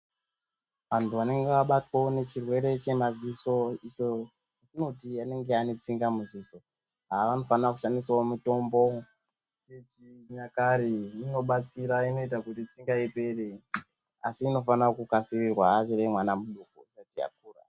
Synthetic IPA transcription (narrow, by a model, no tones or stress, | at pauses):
ʋantʰuʋane̞ŋɡeʋaɓatwaone̞t͡ʃirwe̞ɾe̞t͡ʃe̞maziso̞it͡ʃo | t͡ʃatino̞tiane̞ŋɡe̞ane̞t͡siŋɡamuziso̞ | ɦaʋano̞fanraku̥ʃandisaomuto̞mbo̞ | t͡ʃet͡ʃiɲakaɾiino̞ɓat͡siɾaino̞itakutit͡siŋɡaipe̞re | a̰siːno̞fanakukasirirwaːt͡ʃiremwanamuɗukut͡ʃatija̰k̚uːra̰